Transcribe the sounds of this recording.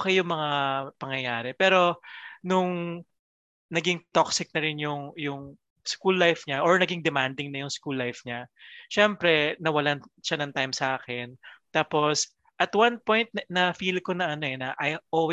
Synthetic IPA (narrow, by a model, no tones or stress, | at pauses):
kɐjjʊŋmɐŋaapɐŋjɐjaːɾɛpɛːɾo̞nʊŋ | nɐɡɪŋt̪oksɪk̚nɐɾɪnjʊŋjʊŋ | skulːajfɲaʔoɹnɐɡɪŋd̪ɛmand̪ɪŋnɐjʊŋskulːajfɲaʃɛmpɾɛnɐwɐlanʃanɐŋt̪ajmsɐʔaːkɛnt̪aːpo̞s | ʔɐt̪wanpojnt̪̚nɐfiːlkonɐɐno̞ɛnɐʔɐjʔoːw